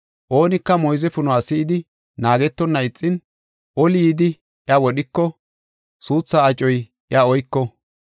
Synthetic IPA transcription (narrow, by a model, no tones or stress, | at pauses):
ʔo̞ːnɪkːɐmɔjzɛfʊnʊaːsɪɪd̪ɪ | naːɡɛt̪ːɔnːɐɪt͡sʼːɪn | ʔɔljiːd̪ɪ | ɪɐwɔɗɪkːɔ | suːt͡sːaːt͡ʃʼɔj | ʔɪaɔjkːɔ